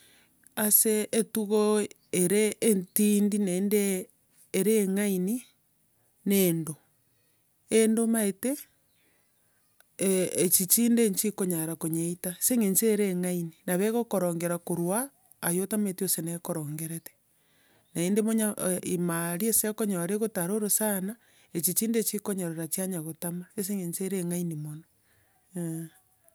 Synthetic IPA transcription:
aseːtuɣo | eɾeːntindinaendeː | ɾeːŋaini | nendo | endomaete | t͡ʃit͡ʃiːndeɲt͡ʃikoɲaɾakoɲeitaseŋeɲt͡ʃeːɾeːŋaininaβeɣokoɾoːŋɡeɾakoɾwaː | jotametiosenekoɾoːŋɡeɾete̥ | naendemoɲaimaɾiesekoɲoɾeɣotaɾoɾosana | et͡ʃit͡ʃiːndet͡ʃikoɲoɾeɾat͡ʃiaɲaɣotamaes̬eŋeɲt͡ʃeɾeŋainimona

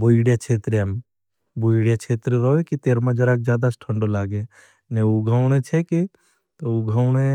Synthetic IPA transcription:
buiɽet͡ʃʰet̪ɾeəm | buiɽet͡ʃʰet̪ɾeɾəɦekit̪eɾmãd͡ʒəɾak̚d͡ʒjaːd̪asʈʰəɳɖolaɡe | neuɡʱəʊñet͡ʃʰɛki | t̪ɔuɡʱəʊne

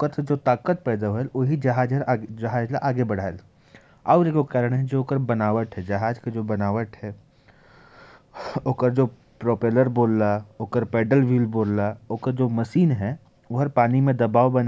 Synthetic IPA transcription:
kəɾsed͡ʒoːt̪aːkət̪̚pɛːd̪aɦoeloːɦid͡ʒɐɦaːd͡ʒɦəɾd͡ʒɐɦaːd͡ʒlaʔaːɡebɐɽ̤aːel | aːʊɾekokaːɾəɽɦɛd͡ʒeoːkəɾbɐnaːʋəʈ̪ɦɛd͡ʒɐɦaːd͡ʒked͡ʒoːbɐnaːʋəʈ̪ɦɛ | oːkəɾd͡ʒoː | pɾoːpeːləɾboːlːaoːkəɾpɛːɖəlʋiːlboːlːaoːkəɾd͡ʒoːmɐsiːnɦɛ | oɦəɾpaːnimẽd̪ɐbaːʋbɐn

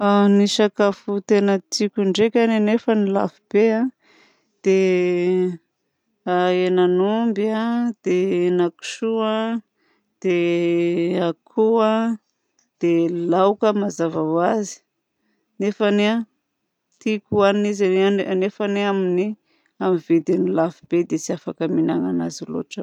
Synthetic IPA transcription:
aniʃakafut̪enət͡s̪ikʲuɳɖ͡ʐekʲananefənila̰vib̥ea | d̪̥e | aenanumbiad̪̥enaku̥ʃua | d̪̥e | akʰua | d̪̥elawkəmazavawazi̥ | nefanea | t̪ikuaniizaannefaneamini | amived̪inilafib̥ed̪et͡siafakəminaŋanazilo̰ʈ͡ʂə

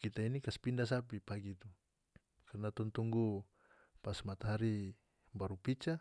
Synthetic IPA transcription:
kit̪ainikaspindas̬apipaɡit̪u | karnat̪ɔnt̪uŋɡu | pasmat̪aɦaɾi | baɾupit͡ʃa

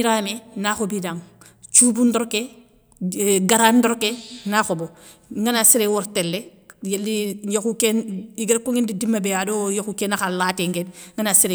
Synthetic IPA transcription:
iɾamenaxobidaŋ | t͡ʃuːbundɔɾke | ɡaɾandɔɾkenaxobo | ŋɡanasiɾewɔɾtelːe | jelːijokukeniɡɾkoŋindidimːabejadojoxukenaxalaːteŋɡenŋɡanasiɾe

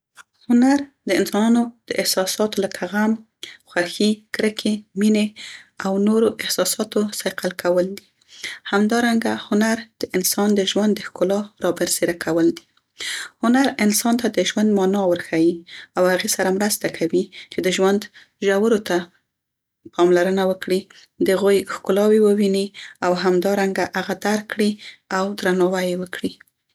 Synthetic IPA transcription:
hʊnaɾd̪əɪnsɑnɑnod̪̥əʔɪhsɑsɑt̪olakʰaɣam | xwaxikɾəkʰemineawnoɾoʔɪhsɑsɑt̪osɑjqalkʰawəld̪i | hamd̪ɑɾaŋɡahʊnaɾd̪̥əʔɪnsɑnd̪əʒwand̪ːəxkʊlɑɾɑbəɾseɾakʰawəld̪i | hʊnaɾɪnsɑnt̪ad̪əʒwand̪mɑnɑwəɾxajiawhaɣesaɾamɾast̪akʰawit͡ʃed̪əʒwand̪ | ʒawəɾot̪a | pɑmlaɾənawəkɽi | d̪əhaɣujxkʊlɑwewəwiniawɦamd̪ɑɾaŋɡaʔaɣad̪aɾkːɽiawd̪ɾanɑwajewəkɽi

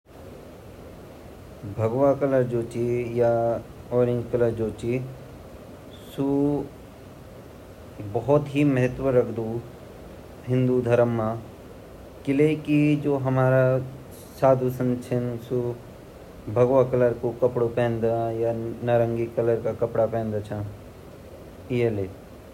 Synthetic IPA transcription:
bʱɐɡʋakɐləɾd͡ʒoːt͡ʃijaɔːɾɪ̃ŋɡkɐləɾd͡ʒoːt͡ʃi | su | bɐɦɔt̪ɦimɐɦət̪ʋəɾɐkʰd̪u | ɦɪ̃nd̪ud̪ʱɐɾəmːa | kɪlekid͡ʒoːɦɐmaːɾa | saːd̪ʱusənt͡ʃʰɐnsu | bʱɐɡʋakɐləɾkokɐpɽopɛ̃ːnd̪ajanaɾə̃ŋɡikələɾkakɐpɽapɛ̃ːnd̪at͡ʃʰã | ieleː

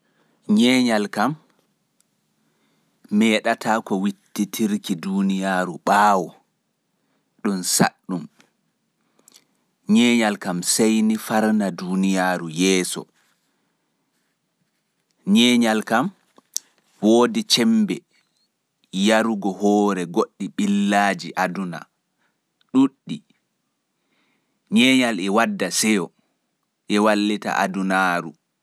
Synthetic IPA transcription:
ɲɛːɲalkam | ɛːɗatʰaːkɔwitːitʰiɾkidunijaːɾuɓaːwɔ | ɗunsa̰ɗːum | ɲɛːɲalkamsejnifaɾnaduːnijaːɾujɛːsɔ̰ | ɲɛːɲalkam | woːdit͡ʃɛmbɛ | jaɾuɡɔhɔːɾɛɡoɗːiɓilːaːd͡ʒiʔaduna̰ | ɗuɗːi | ɲɛːɲalɛwadːasɛjɔ | ʔɛwalːita̰ʔa̰dunaːɾṵ

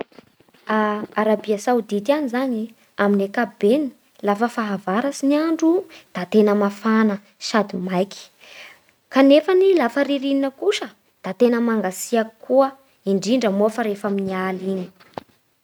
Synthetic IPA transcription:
aaɾabiasawd̪it̪ianizaɲi | aminekabeni | lafəfaɦavaɾasiniaɳɖ͡ʐud̪̥at̪enəmafanə | sad̪imajki̥ | kanefənilafəɾiɾininəkuʃə | d̪̥at̪enəmaŋɡasiakkːuə | iɳɖ͡ʐiɳɖ͡ʐəmofəɾefaminialini̥

